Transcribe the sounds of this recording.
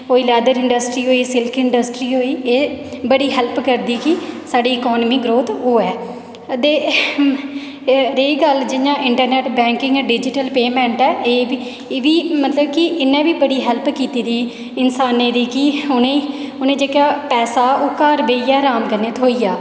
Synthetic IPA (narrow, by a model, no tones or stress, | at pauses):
oːiːlɛːd̪əɾɪ̃ɳɖəsʈɾiːɦoːiːsɪlkʰɪ̃ɳɖəsʈɾiːɦoːiːeːbəɽiːɦɛlpkəɾd̪iːkɪsaːɖiːkɔːnmiːɡɾoːt̪oːɛː | t̪eː | ɾeːɡəld͡ʒɪnãːʔɪɳʈəɾnɛːʈbɛ̃ːŋkɪ̃ŋɡɛːɖɪd͡ʒɪʈəlpeːmɛ̃ːɳʈɛːʔeː | ʋiːmət̪ləbkɪʔɪnːẽːbiːbəɽiːɦɛlpkiːt̪iːd̪iː | ɪnsaːniːd̪iːkɪʊnẽː | ʊnẽːd͡ʒeːkjaːpɛːsaːʊkaːɾbeːiːɛːɾaːmɡənːet̪ɦoːiːjaː